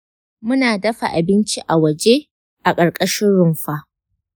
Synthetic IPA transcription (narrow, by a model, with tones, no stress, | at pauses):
mʊ˦naː˨dɐ˦ɸa̰˨ʔa˨bɪ˦nt͡ʃi˦ʔa˨wɐ˨d͡ʒe˦ | ʔa˨kʼɐ˨ɽkʼɐ˦ʃɪ˦nɽʊ˨mɸa˦ʔ